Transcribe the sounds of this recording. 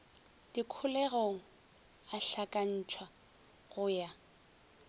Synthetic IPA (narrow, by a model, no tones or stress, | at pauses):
d̥ikʰʊlɛɣoŋ̩ | aɬakʼan̩ːt͡ʃʰwa | ɣʊja